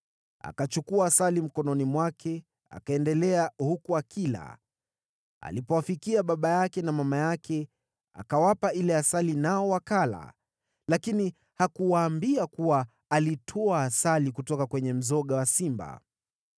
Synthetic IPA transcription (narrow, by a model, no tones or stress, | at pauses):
a̰kat͡ʃukuaːsalim̩kɔnɔnimwakʰɛ | a̰kaɛndɛlɛahukuakila̰ | a̰lipɔwafikiaɓaɓajakɛnamamajakʰɛ | a̰kawapailɛasalinaɔwakala̰ | lakini | hakuwaːmbiakuwa | alitʰɔaːsalikutɔkakwɛɲɛm̩zɔɠawasimba̰